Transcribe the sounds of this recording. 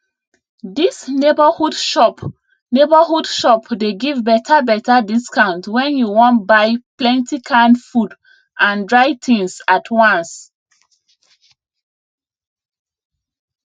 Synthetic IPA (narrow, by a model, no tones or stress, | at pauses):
disnebahudʃɔp | nebahudʃɔpdeɡivbɛtʰabɛtadiskãʊ̃ntwɛ̃njuwɔ̃ntbaɪplɛ̃ntikʰãnfud | ʔãndɹaɪtʰĩŋsatʰwãns